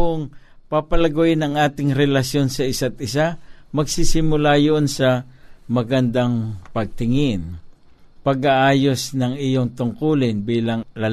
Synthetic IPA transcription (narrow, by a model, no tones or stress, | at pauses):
ʊŋ | papɐlaɡuʔɪnɐŋʔaːt̪ɪŋɾɛlasjonsɐʔɪsat̪̚ɪsamɐɡsisɪmʊlajonsɐmɐɡɐnd̪aŋpɐɡ̚t̪ɪŋɪn | pɐɡaʔaːjosnaŋɪjoŋt̪ʊŋkuːlɪnbiːlaŋla